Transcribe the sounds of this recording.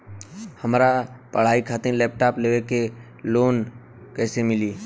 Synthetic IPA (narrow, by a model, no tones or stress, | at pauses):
həmɾapəɽ̤aːikʰaːt̪ɪnlɛːp̚ʈaːpleːeke | loːn | kɛːsemɪliː